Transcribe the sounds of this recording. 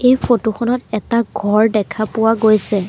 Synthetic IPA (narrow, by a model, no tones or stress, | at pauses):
ejpʰotoxʰɔnɔtɛtaɡʱɔɹdɛkʰapʊwaɡojsɛ